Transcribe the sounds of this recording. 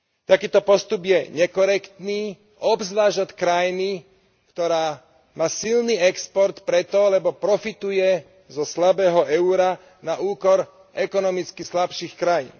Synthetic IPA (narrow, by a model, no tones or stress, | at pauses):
t̪akiːt̪ɔpɔst̪ubjɛɲɛkɔɾɛkt̪niː | ɔbzʋaːʒat̪kɾajni | kt̪ɔɾaː | maːsilniːɛkspɔɾt̪pɾɛt̪ɔlɛbɔpɾɔfit̪ujɛ | zɔslabɛːɦɔʔɛʊɾa | naʔuːkɔɾ | ʔɛkɔnɔmit͡skislapʃiːxkɾajḭːn